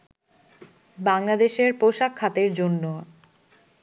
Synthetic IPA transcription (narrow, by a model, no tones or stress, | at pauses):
baŋlad̪eʃeɾpoʃakʰːat̪eɾd͡ʑonːo